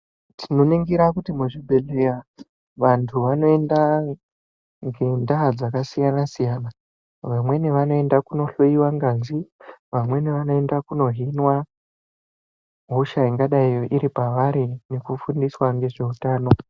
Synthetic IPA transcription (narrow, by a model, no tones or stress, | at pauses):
tʰino̞niŋɡiɾakutimuʐibʱe̞leja | ʋantʰuʋano̞e̞nda | ŋɡe̞ndaɦad͡zakasijanasijana | ʋamwe̞niʋano̞e̞ndakuno̞ɬoiwaŋɡaziʋamwe̞niʋano̞e̞ndakuno̞ɦinwa | ɦuʃaiŋɡaɗaijo̞ʔiɾipaʋaɾine̞kufundiswaŋɡe̞ʐe̞utaːno̞